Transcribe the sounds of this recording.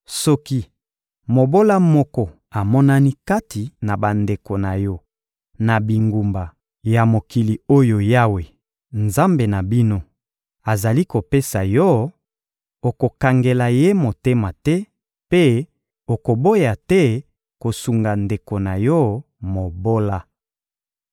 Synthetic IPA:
sɔ˦ki˦ | mo˨bo˦la˦mɔ˦kɔ˨ | a˨mɔ˦na˦ni˦ka˦ti˨na˨ba˨nde˨ko˨na˨jɔ˦ | na˨bi˨ŋɡu˨mba˨ | ja˨mo˨ki˨li˨o˦jo˨ja˦we˨ | nza˦mbe˨na˨bi˦no˦ | a˨za˨li˦ko˨pe˦sa˨jɔ˦ | o˨ko˨ka˨ŋɡe˨la˨je˦mo˨te˦ma˨tɛ˦ | pe˦ | o˨ko˨bo˦ja˨tɛ˦ | ko˨su˨ŋɡa˨nde˨ko˨na˨jɔ˦ | mo˨bo˦la˦

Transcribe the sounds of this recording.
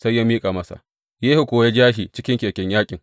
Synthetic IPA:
sa˦jːaː˦miː˦kʼa˨mɐ˦sa̰˨ | jeː˦hu˨kʷoː˨wja˦d͡ʒaː˦ʃiː˨t͡ʃɪ˦kʲɪ˦ŋkʲeː˨kʲɛ˦ɲjaː˦kʲʼɪ˨ŋ

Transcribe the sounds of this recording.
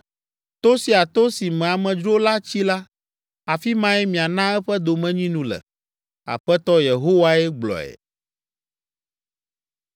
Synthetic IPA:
t̪o˦si˨a˨t̪o˦si˨mɛ̃˨a˨mɛ̃˨d͡ʒɾo˦la˦t͡ɕi˦la˦ | a˨fi˦mã˦ɛ˦mĩ˨a˨nã˦ɛ˦ɸɛ˦d̪o˨mɛ̃˦ɲĩ˦nũ˦lɛ̰˨ | a̰˨ɸɛ˦t̪ɔ˦je˨ɦo˦wa˦ɛ˦ɡ͡blɔ̰˨ɛ̰˨

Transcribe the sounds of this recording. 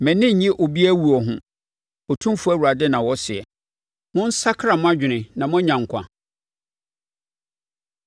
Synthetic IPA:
mɛ̃˨nɪ̃˦ɲ̩˨ɲɪ̃˦ʔo˨bi˦æ˦wu˨ɔ˨ɦʊ̃˦ | ɔ˨tʰũ˦m˦fu˦æ˦˨wu˨ɾa˨dɛ˦nã˨wɔ˦sɪ˨ɛ˨ | mʊ̃˦n̩˦sa˦kʰɾa˨mʊ̃˦a˦d͡ʑᶣɪ˨nɪ̃˨nã˨mʊ̃˦ɲã˨ŋ˨kʷʰã̰˨

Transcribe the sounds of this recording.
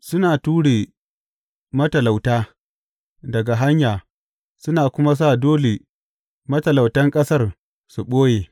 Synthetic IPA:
sʊ˦naː˨tuː˦ɽeː˨ | mɐ˦tɐ˨la˨wtaː˦ | dɐ˨ɡa˨ɦa˦ɲjaː˨ | sʊ˦naː˨kʷʊ˦ma˦s̬aː˦˨doː˦le˨ | mɐ˦tɐ˨la˨wtɐ˦ŋkʼɐ˦sɐ˦r | su˨ɓoː˦jeː˨

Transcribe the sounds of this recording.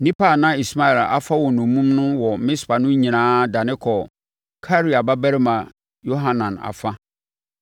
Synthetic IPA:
nĩ˦pa˨nã˦i˨sma˦ɛ˨la̰˨fa˦wɔ˨nũ˨mũ˦mnʊ̃˦wɔ˨˦mɪ̃˦spa˨nʊ̃˦ɲĩ˨nãː˦da˨nɪ̃˦kʰɔ˨ | kʰa˦ɾi˦a˨ba˦bɛ˦ɾɪ˦mã˨ | jo˦ɦã˨nã˨na̰˨fa˦

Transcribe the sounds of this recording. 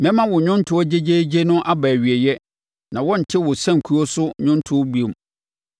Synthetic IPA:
mɛ̃˦mã˦wɔ˨ɲᶣʊ̃˦n˦tʰʊ˨ɔ˦d͡ʑe˦d͡ʑe˦d͡ʑe˦nʊ̃˦ʔa˦bæː˨ɥi˨ɛ˨jɛ˦ | nã˨wɔ̃˦n̩˨tʰɪ˦wʊ˨sã˦˨ŋ˨kʰu˦ɔ˦sʊ˦ɲʊ̃˦n˦tʰʊ˦bu˦e˨m

